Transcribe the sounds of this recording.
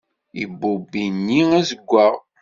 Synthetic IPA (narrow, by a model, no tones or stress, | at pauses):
ḭbːubinːiæzəɡʷːaʁ